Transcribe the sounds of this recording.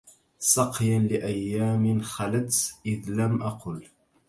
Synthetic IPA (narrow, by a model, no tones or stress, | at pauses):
sˤɑqjanlɪʔajːaːmɪnxalat̪ʔɪðlamʔɑqʊl